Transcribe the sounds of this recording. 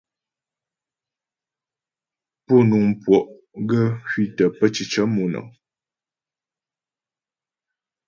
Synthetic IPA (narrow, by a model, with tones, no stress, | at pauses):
pɔ˦˨nu˨ŋ˨pwɔ˨ʔ | ɡə˦kɥi˦˨tə˨pə˦t͡ʃi˨t͡ʃə˦mu˨nɔ̰˨